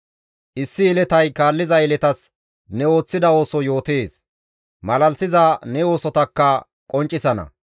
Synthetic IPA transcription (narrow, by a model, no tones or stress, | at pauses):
ʔɪsːɪːlɛt̪ɐjkaːlːɪzɐɪlɛt̪ɐs | nɛo̞ːt͡sːɪd̪ɐo̞ːsɔjo̞ːt̪eːs | mɐlɐlsɪzɐnɛo̞ːsɔt̪ɐkːɐ | kʼɔnt͡ʃʼːɪsɐnɐ̰